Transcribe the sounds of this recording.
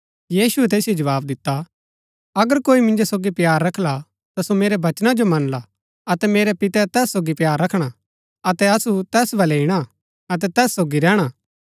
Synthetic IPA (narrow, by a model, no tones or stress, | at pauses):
jiːsuɛt̪̬eːsijod͡ʒɐʋaːbd̪ɪt̪ːa | ɐɡəɾkoːimɪ̃nd͡ʒosoːɡipjaːɾːɐkʰla | t̪asomeːɾɛbɐt͡ʃnad͡ʒomɐnla | ɐt̪ɛmeːɾɛpɪt̪ɛt̪ɛːsːoːɡipjaːɾːɐkʰɽ̃a | ɐt̪ɛɐsut̪ɛːsbɐleiɽ̃a | ɐt̪ɛt̪ɛːsːoːɡiɾɛːɽ̃a